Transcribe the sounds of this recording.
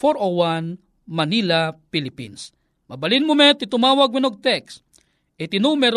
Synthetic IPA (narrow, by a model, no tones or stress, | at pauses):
foɾowan | mɐnilapilɪpḭns | mɐbɐlinmʊmɛt̪ɪt̪ʊmaːwaɡ̚mɪnoɡ̚t̪ɛks | ʔɪt̪ɪnumɛɾ